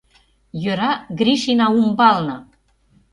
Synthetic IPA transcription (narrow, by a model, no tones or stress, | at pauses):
jøɾɑɡɾiʃinɑumbɑlnɤ